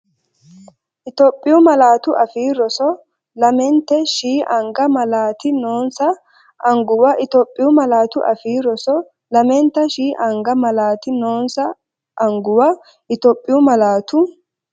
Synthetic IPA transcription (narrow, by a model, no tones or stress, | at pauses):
ʔɪt̪ɔːpʼːɪjʊmɐlaːt̪ʊʔɐfiːɾɔsɔ | lɐmɛnt̪ɛʃiːʔɐŋɡɐmɐlaːt̪ɪnoːnsɐ | ʔɐŋɡʊwɐʔɪt̪ɔpʼːɪjʊmɐlaːt̪ʊʔɐ̰fiːɾɔsɔ | lɐmɛnt̪ːɐʃiːʔɐŋɡɐmɐlaːt̪ɪnoːnsɐ | ʔɐŋɡʊwɐ | ʔɪt̪ɔːpʼːɪjʊmɐlaːt̪ʊ